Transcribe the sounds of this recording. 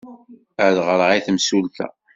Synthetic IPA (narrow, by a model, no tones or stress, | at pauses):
əðʁɾʁiθəmsulθæ̰